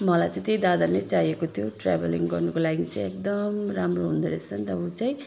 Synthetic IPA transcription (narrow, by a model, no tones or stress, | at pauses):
mʌlajt͡sãĩt̪ejd̪ad̪alet͡sajekot̪ʰijoʈra̰beliŋɡʌrnukolaɡit͡sãj̃ek̚d̪ʌmramroɦund̪eɾet͡sʰʌnt̪ʌbut͡saj̃